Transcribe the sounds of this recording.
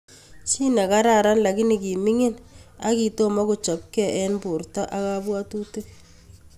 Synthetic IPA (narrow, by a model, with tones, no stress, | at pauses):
t͡ʃi˦na˨ka˦ɾa˨ɾa˦nla˨kɪ˦nɪ˨ki˨mi˦ŋɪ˦na˦ki˨to˦mɔ˦ku˨t͡ʃɔ˨p̚kɛ˨ʔɛ˦npu˨rta˦ʔa˦ka˦bwa˦tu˦tɪ˦k̚